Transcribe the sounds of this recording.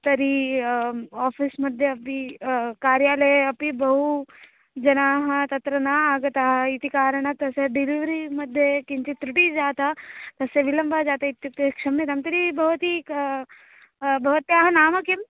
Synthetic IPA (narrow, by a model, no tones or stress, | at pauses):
t̪ɐɾi | aːfʰismɐd̪ʱjeɐpikaːɾjaːlɐjɐpibɐɦu | d͡ʒɐnaːɦɐt̪ɐt̪ɾɐnaːaːɡɐt̪aːɦɐit̪ikaːɾəɳ̃at̪ɐseɖiliʋɾimɐd̪ʱjekint͡ʃit̪ɾɪʈid͡ʒaːt̪at̪ɐseʋilɐmbʱad͡ʒaːt̪ait̪ːɐtekʂɐmet̪ɐmt̪ɐɾibɐɦt̪i | bʱɐʋɐt̪jaːɦɐnaːmɐkem